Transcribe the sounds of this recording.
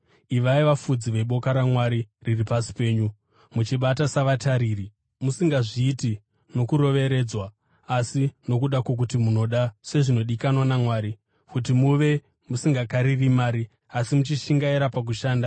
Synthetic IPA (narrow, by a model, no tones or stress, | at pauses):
iʋaiʋafud͡ziʋe̞ɓo̞kaɾamwaɾiriripasi̥pe̞ːɲu | mut͡ʃiɓatasaʋataɾiːri | musiŋɡaʐiːti | no̞kuɾo̞ʋe̞ɾe̞d͡zwaː | sino̞kuɗakwok̬utimuno̞ɗase̞ʐino̞ɗikanwanamwaːɾi | kut̬imuʋe̞ | musiŋɡakaɾirimaːɾi | asimut͡ʃiʃiŋɡaiɾapak̬uʃaːnda